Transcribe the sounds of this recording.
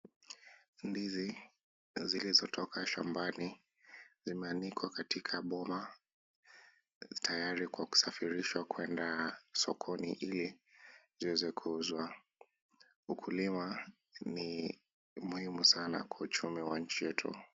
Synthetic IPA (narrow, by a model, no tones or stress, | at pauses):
ndizi | zilizɔtʰɔkʰaʃa̰mbani | zimɛanikʰwakatikʰaɓɔma | tʰajaɾikwaku̥safiɾiʃwakwɛndasɔkʰɔniʔiliziwɛzɛkʰuuzwa | ukʰulima | ni | muhimusana̰kwaut͡ʃumiwaɲ̩t͡ʃijɛtʰṵ